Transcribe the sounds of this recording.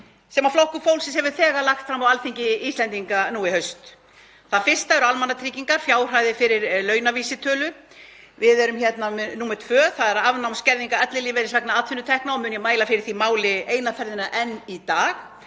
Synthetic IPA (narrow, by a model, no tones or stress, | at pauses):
sɛmaflowhkʏfoːwlsɪshɛvʏ̥θɛːɣalaxt̪fɾamawalθʰeɲcɪist̪ɛnt̪iŋkanuːɪhœɥst̪ | θaðfɪr̥st̪aɛɾʏalmanːat̪ʰɾiːciŋkaɾ̥fjaːwr̥aːjðɪfɪɾɪɾlœːɥnaviːsɪt̪ʰœːlʏ | vɪðɛɾʏmçɛt̪namnuːmɛt̪ʰfvœːθaðɛɾavnawmscɛɾðiŋkaœt̪lɪlɪːvɛɾɪsvɛknaaːt̪ʰfɪnːʏt̪ʰɛhknaɔmʏnjɛmaːjlafɪɾɪɾ̥θimaːwlɪeːjnafɛɾðɪnaʔɛnit̪aːx